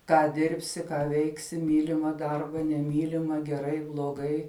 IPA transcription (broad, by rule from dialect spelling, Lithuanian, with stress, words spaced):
ˈkɑː ˈdʲɪrʲpʲsʲɪ ˈkɑː ˈʋʲɛɪksʲɪ ˈmʲiːlʲɪmɐ ˈdɐrbɐ nʲɛˈmʲiːlʲɪmɐ ɡʲɛˈrɐɪ blˠoːˈɡɐɪ